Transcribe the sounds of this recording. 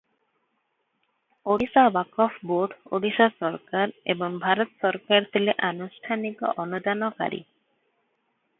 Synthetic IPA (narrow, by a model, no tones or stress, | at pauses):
oɽisabakɔfboɾɖo̰ɽisasɔɾkaɾḛboŋbʱaɾot̪sʃɔɾkaɾt̪ʰeleʔanuʃʈʰaniko̰ɔnud̪anoka̰ɾḭ